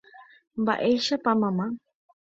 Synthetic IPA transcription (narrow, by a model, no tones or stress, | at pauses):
ba̰ʔejʃapamama